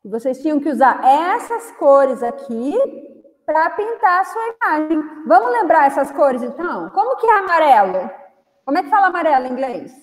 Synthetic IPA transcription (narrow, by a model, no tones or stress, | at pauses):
ɪvosejst͡ʃĩɲ̃ɐ̃w̃kɪuzaɾɛsɐskoɾɪzakʰi | pɾɐpĩnt̪aɾɐsuɐimaʒẽj̃vɐ̃mʊzlẽmbɾaɾɛsɐskoɾɪzẽnt̪ɐ̃w̃kõmʊkɪɛamaɾɛlʊ | kõmʊɛkɪ̥falɐamaɾɛlʊĩŋɡles